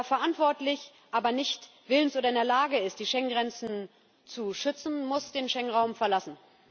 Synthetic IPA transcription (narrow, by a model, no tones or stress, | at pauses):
fɛɐʔantv̥ɔɐtlɪç | ʔaːbɐnɪçt | v̥ɪlənsʔoːɾɐɪndeːɐlaːɡəɪst̚d̥iːʃɛŋɡʁɛnt͡sn̩ | t͡suʃʏt͡sn̩mʊsd̥eːnʃɛŋʁaʊmfɛɐlasn̩